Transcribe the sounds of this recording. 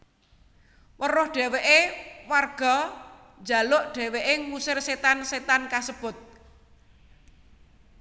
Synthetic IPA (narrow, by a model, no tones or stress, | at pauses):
wərʊhɖ̥ɛ̤weʔewarɡ̥ɔ̤ | d͡ʒa̤lʊʔɖ̥ɛ̤weʔeŋwusɪrset̪anset̪ankasəb̥ʊ̤t̪̚